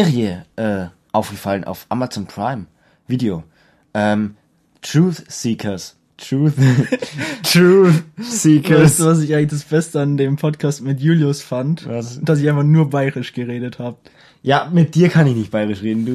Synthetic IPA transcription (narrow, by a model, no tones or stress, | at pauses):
zeːʁiəʔɛː | ʔaʊfɡ̥əfalənʔa̰ʊfʔa̰mat͡sɔnpʰʁ̥a̰ɪm | viːdeoː | ʔɛːm | tʁ̥uːθsiːkʰɐs | tʁuːθ | tʁuːsiːkastuvas̬ɪçʔaɪɡŋn̩ɪçd̥asb̥ɛstəandeːmpʰɔtkʰaːstmɪtjuːljʊsfantad̥as̬ɪçʔaɪnfanuːɐbaɪʁɪʃɡ̥əʁeːɾəthaːbə | jaːmɪt̚d̥iːɐkʰanɪçnɪçt̚b̥aɪʁɪʃʁeːdn̩duː